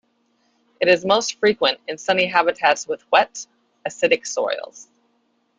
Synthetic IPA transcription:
ɨɾɨzmoʊstfɹikwɨ̃ntɨ̃nsʌniɦæbɨtʰætswɨðwɛɾ | ɨsɪɾɨksɔ̰ɪl̩ˠz̥

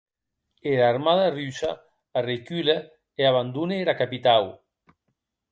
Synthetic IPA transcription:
eɾaɾmaðarysa | arekyle | eaβand̪uneɾakapit̪aw

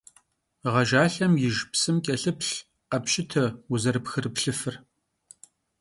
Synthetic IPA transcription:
ʁɐʒaːɬɐmjɪʒpsɨmkʲʼɐɬɨpɬ | qɐpʃʼɪtʰɐuzɐrɨpxɨrɨpɬɨfɨr

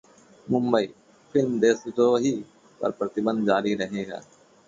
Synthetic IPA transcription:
mʊ̃mbəiː | fʰɪlmd̪eːsd͡ʒ̪oːɦiː | pɐ̰ɾpɾət̪ɪbə̃nd̪̚d͡ʒaːɾiɾəɦẽɡɛ̰ː

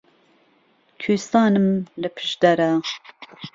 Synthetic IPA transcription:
kʰyːst̪ɑːnɨmlɨpʰɨ̥ʃd̪ɛɾa

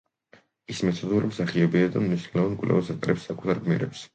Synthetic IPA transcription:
ismɛt̪ʰɔd̪uɾimsaχiɛbiad̪amniʃnɛlavankʼvlɛ̰vasat̪ʼɾɛpsːakʼu̥t̪ʰaɾɡmiɾɛ̰ps

